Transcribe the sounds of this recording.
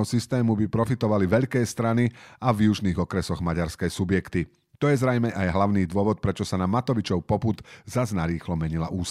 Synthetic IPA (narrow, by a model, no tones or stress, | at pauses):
ɦɔsist̪ɛːmubipɾɔfit̪ɔʋaliʋɛʎkɛːst̪ɾaniavjuʒniːɣɔkɾɛsɔɣmaɟaɾskɛjsubjɛkt̪i | t̪ɔjɛzɾɛjmɛʔajɦlaʊniːd̪ʊɔʋɔt̪̚pɾɛt͡ʃɔsanamat̪ɔʋit͡ʃɔʊpɔpud̪zaznaɾiːxlɔmɛɲilaʔuːs